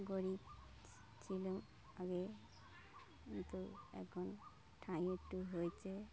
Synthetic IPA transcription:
ɡoɹi | t͡ɕʰilum | aɡe | kint̪uɛ̰kʰɔn | ʈʰãĩeʈːuɦojt͡ʃʰe

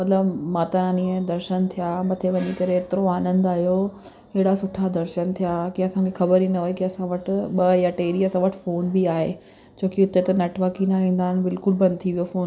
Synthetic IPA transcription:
mɐt̪ləbmãːt̪ɐɾãːnĩːə̃d̪ɐɾʃənt̪ʰijamɐt̪ʰeʋɐɲikɐɾeːt̪ɪɾoaːnə̃nd̪aːɦijo | kɐɦɪɽasʊʈʰad̪ɐɾʃənt̪ʰijakiɐsãkʰexɐbəɾĩːnd̪ɐɦoːekiɐsãʋɐʈʊ̆ɓɐjaʈeːɗiɐsãʋɐʈʰɪfoːnbiaːɦḛ | d͡ʑʰoːkiʊt̪et̪ɐnɐʈʋakinaʋĩːn̆d̪aːɦɪnɪ̆bɪlkʊlbɐ̃nd̪t̪ʰiʋijofoːn

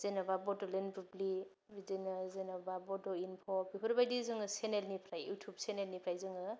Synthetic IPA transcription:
z̥enababɔdɔlenbɾubli | bidenɯzenababɔdɔinpʰɔbipʰɯɾbajdizɯŋɯsenelnipʰɾajutʰubsenelnipʰɾajzɯŋɯ

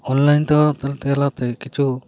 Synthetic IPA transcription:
ɔnlajnt̪ɛwaɾat̪ɛlt̪ɛjalat̪ɛkit͡ʃʰu

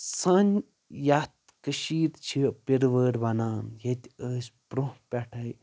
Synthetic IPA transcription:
sɐn | jat̪ | kəʃiːɾt͡ʃʰipiɾʋəːɾʲʋɐnaːnjɐt̪ʲəːsʲpɾohpʲɛʈʰɐj

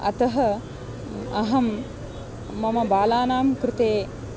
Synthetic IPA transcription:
ɐ̰t̪ɐɦɐ | ɐɦɐmː | ɐmɐbaːlaːnaːmkɾɪt̪eː

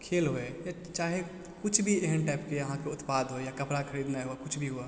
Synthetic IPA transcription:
kʰeːlɦoeja | t͡ʃaːɦe | kʊt͡ʃʰbʱieɦənʈaːpkejɐɦãkeʊt̪paːd̪ʱɦojakɐpɾakʰɐɾiːd̪naɦuakʊt͡ʃʰbʱiɦʊa

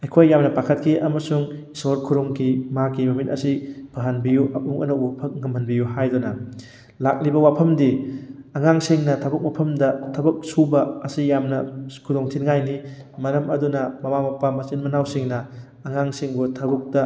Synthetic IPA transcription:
ejkʰojːamnɐpakʰɐt̚kʰiʔɐmɐsuŋ | soɾkʰuɾuŋkʰimakimɐmitɐ̰sipʰɐɦanbijuʔɐʔuŋʔɐ̰nɐwupʰɐk̚ŋɐmbʱɐnbijuɦajdunɐ | lak̚libɐwapʰɐmdiɐŋaŋsiŋnɐtʰɐbɐk̚mapʰɐmdɐtʰɐbɐk̚subɐːsijamnɐkʰudoŋtʰinŋajnimɐɾɐmɐdunɐmɐmamɐpɐmɐsinmɐnawsiŋnɐː | ŋaŋsiŋbotʰɐbuk̚dɐ

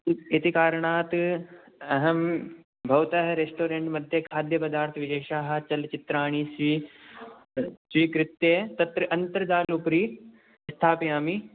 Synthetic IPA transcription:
et̪ikaːɾɐɳaːt̪ | ɐɦɐm | bʱɐʋt̪ɐɦɐɾesʈoːɾeɳʈmɐd̪ʱjɐkʰaːd̪ʱjɐpɐd̪aːɾt̪ʰʋɪd͡ʒɐːʃaːɦɐ̆t͡ʃɐlt͡ʃɪt̪ɾaːɳ̃isʋi | sʋiːkɾɪt̪jet̪ɐt̪ɾɐʔɐnt̪ɐɾɐd͡ʒ̪aːlupɾiː | st̪ʰaːpijaːmi

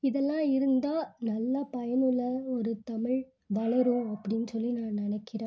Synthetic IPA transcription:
ɪðɛlːãːɪɾɯnd̪aːnɐlːapɐjɐnɯɭːɐɔɾɯt̪ɐmɪɻ | ʋɐɭɐɾũɐpːɐɽɪnːɯsɔlːinaːnnɪnɐkːɪɾẽː

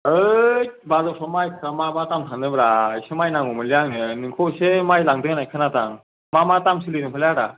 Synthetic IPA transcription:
ɯjbazɔsʰɔmajkʰamamatamtʰanɯbɾajsemajnaŋɔmɯlijaŋnɯnɯŋkʰɔsemajlaŋdɯŋnajkʰɯnataŋ | mamatamsɯlɯdɯŋpʰlaɾa̰

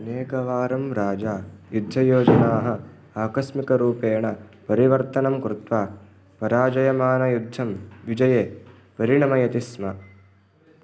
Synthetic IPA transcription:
ɐneːkɐʋaːɾɐmɾaːd͡ʒaːjud̪ʱːɐjoːd͡ʒɐnaːɦɐ | aːkɐsmikɐɾuːpeːɳɐpɐɾiʋɐɾt̪ɐnɐmkɾut̪ʋaː | pɐɾaːd͡ʒɐjɐmaːnɐjud̪ʱːɐmʋid͡ʒɐjeː | pɐɾiɳɐmɐjɐt̪ismɐ

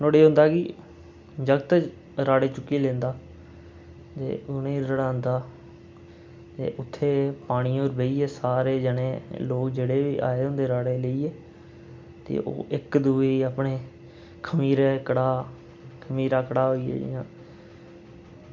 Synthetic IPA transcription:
noːɽeːɦʊ̃nd̪aːkɪ | d͡ʒəɡt̪ | ɾaːɽeːt͡ʃʊkːeːlẽːnd̪aː | t̪ḛːʔʊnẽːɾəɽãːnd̪aː | t̪ḛːʔʊt̪ʰːeːpaːɽ̃iːoːɾbeiːɛːsaːɾeːd͡ʒəneːloːkd͡ʒeːɽeːʋḭːʔa̰ːeːʊ̃nd̪eːɾaːɽeːləiːeː | t̪ḛːʔo̰ːʔɪkd̪uːeːiaːpɳeː | kʰəmiːɾɛkəɽaː | kʰəmiːɾaːkəɽaːɦoːiːɛ̰ːd͡ʒɪ̰jãː

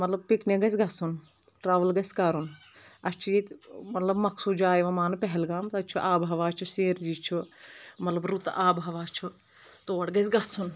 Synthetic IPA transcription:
mɐt̪lɐb̚pikneɡɐsʲɡɐsun | ʈɾaːʋɐlɡɐsʲkaɾunɐst͡ʃʰiit̪mɐt̪lɐbmɐksud͡ʒaːjʋɐmaːnpɛɦɛlɡaːmt̪ɐt͡ʃʰuʔaːbɦɐʋaːt͡ʃʰuseːɾd͡ʒit͡ʃʰumɐt̪lɐbɾut̪aːbɦɐʋaːt͡ʃʰu | t̪oːɽɡɐs̬ʲɡɐsun

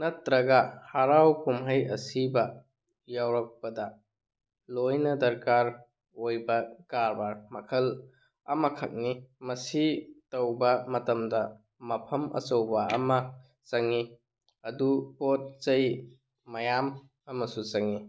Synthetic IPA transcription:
nɐt̪ɾɐɡɐhaɾawkumɦɐjɐsibɐ | jawɾɐk̚pɐdɐ | lojnɐdɐɾkaɾ | ojbɐkaɾbaɾmɐkʰɐl | ɐ̰mɐkʰɐk̚nimɐsitowbɐmɐtɐmdɐ | mɐpʰɐmʔɐ̰sɐwbɐɐmɐ | t͡ʃɐŋi | ɐdupot̚t͡ʃɐj | mɐjam | ɐmɐsut͡ʃɐŋi

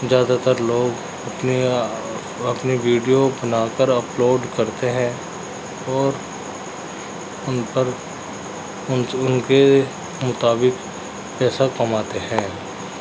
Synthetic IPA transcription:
zjaːd̪at̪əɾloːɡ | ɐpni | ɐpniʋiːɖijobɐnaːkəɾɐploːɖkɐɾt̪eɦɛ̃ː | ɔːɾ | ʊnpəɾ | ʊnke | mʊt̪aːbɪk | pɛːsakɐmaːt̪eɦɛ̃ː

